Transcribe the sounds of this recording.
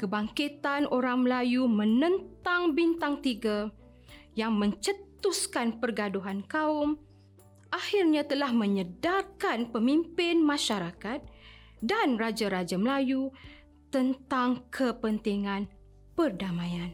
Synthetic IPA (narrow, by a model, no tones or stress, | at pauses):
kəbaŋkit̪anʔoɾaŋməlajumə̃nə̃nt̪aŋbint̪aŋt̪iɡa | jaŋmə̃ɲt͡ʃət̪uskanpərɡaduɦankaum | ʔahirɲãt̪əlahmə̃ɲədakanpəmimpɪnmãʃaɾakat̪̚ | danrad͡ʒaɾad͡ʒaməlaju | t̪ənt̪aŋkʰəpənt̪iŋãn | pərdamãjan